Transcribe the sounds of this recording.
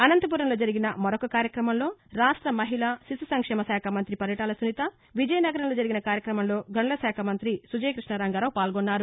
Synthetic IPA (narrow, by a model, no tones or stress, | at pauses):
ɐnɐnt̪ɐp̬uːɾɐnloːd͡ʒɐɾiɡinɐmɐɾokɐkaːɾjɐkɾɐmɐmlo̞ːɾaːʂʈɾɐmɐɦilaːsisusɐŋkʂɛːmɐsaːkʰamɐnt̪ɾipɐɾjɐʈaːlɐsunit̪ɐ | ʋid͡ʒɐjɐnɐɡɐɾɐnlo̞ːd͡ʒɐɾiɡinɐkaːɾjɐkɾɐmɐmlo̞ːɡɐɳɐlɐsaːkʰɐmɐnt̪ɾisud͡ʒɐjkɾiʂɳɐɾaːŋɡɐɾɐwpaːlɡonːaːɾu